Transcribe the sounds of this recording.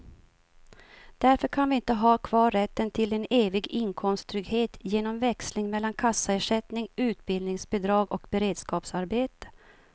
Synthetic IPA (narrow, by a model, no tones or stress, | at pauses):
d̪̥æɾfœɾkʰanvɪɪnt̪əɦɑːkʰvɑːɾɛt̪ːənt̪ʰɪlɛneːvɪɡɪŋkʰɔmstt̪ʰɾʏɡheːt̪jeːnɔmvɛkslɪŋmɛlːankʰasːaeːʂɛt̪nɪŋʉ̟ːt̪̚bɪlnɪŋsbɛd̪ɾɑːɡɔkbɛɾeːd̪skɑːpsaɾbeːt̪ə̥